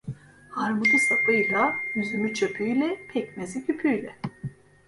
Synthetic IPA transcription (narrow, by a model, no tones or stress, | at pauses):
haɾmɯd̪ɯsapʰɯjlˠayzymyt͡ʃʰepʰyjlʲɛpʰɛcmezicʰypʰyjlʲɛ